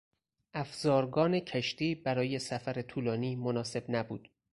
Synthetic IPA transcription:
ʔæfz̥ɒːɾɡɒːne̞cʰæʃt̪iːbæɾɒːje̞sæfæɾet̪ʰuːlɒːniːmonɒːse̞bnæbṵːd̪̥

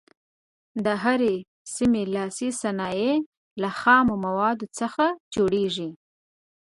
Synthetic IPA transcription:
d̪əɦaɾe | simelɑsisanɑje | laxɑmomawɑd̪ot͡səxad͡ʒoɽeʒi

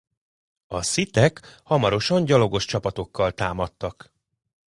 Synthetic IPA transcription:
ɒsit̪ɛkhɒmɒɾo̞ʃɒɲɟɒlo̞ɡo̞ʃt͡ʃɒpɒt̪o̞kːɒlt̪aːmɒt̪ːɒk

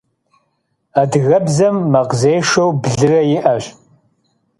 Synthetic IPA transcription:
ɐdɣɐbzɐmːɐqzeːʂowbɮɨrɐjɪʔɐɕʼ

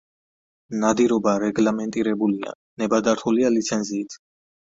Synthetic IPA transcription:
nad̪iɾɔbaɾɛɡlamɛnt̪ʼiɾɛbulia̰ | nɛbad̪aɾt̪ʰulialit̪sʰɛnziːt̪ʰ

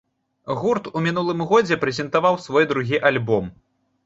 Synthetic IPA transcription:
ɣurt̪umʲin̪ulˠɨmɣɔd͡zʲɛpɾɛzʲɛnt̪avawsvɔjd̪ɾuɣʲiʔalʲbɔm

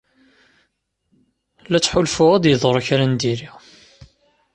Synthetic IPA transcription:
læt͡sːħʊlfʊʁæd̪jəðˤɾˤçɾænd̪iɾi

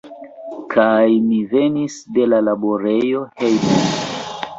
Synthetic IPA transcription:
kʰajmivenisde̞lalaboɾe̞jo̞he̞jmo

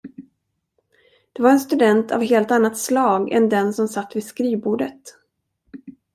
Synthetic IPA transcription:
d̪̥ɛvaɾɛnst̪ɵd̪ɛnt̪ʰa̰vɦeːlt̪anːat̪slɑːɡɛ̰nd̪ɛnsɔmsat̪ːvɪskɾiːvbuːɖət̪

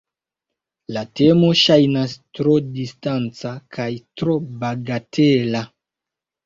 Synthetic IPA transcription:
late̞mo̞ʃajnastɾo̞distant͡sakʰajtɾo̞baɡatʰela

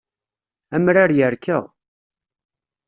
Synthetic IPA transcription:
æmɾaɾjəɾkʰə̰ʁ

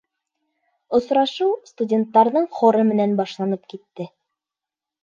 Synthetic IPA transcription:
ŏsɾɑʃɤwst̪udʲe̞nt̪ːɑɾðɤɴχŏɾɤmɘ̆nænbɑʃlˠɑnɤp̚kit̪ːɘ

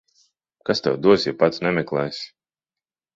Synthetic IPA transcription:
kast̪ɛwd̪uɔsjapat̪snʲɛmʲɛklˠɛːs

